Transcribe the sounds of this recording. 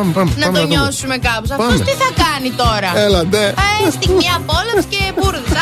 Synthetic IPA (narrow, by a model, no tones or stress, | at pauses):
ɐmepɐmnɐɐmoɐɲosume̞kɐposɐfpɐomst̪iθɐkɐnit̪oɾɐelɐd̪eɐst̪iɲiɐpolɐscepuɾɣɐ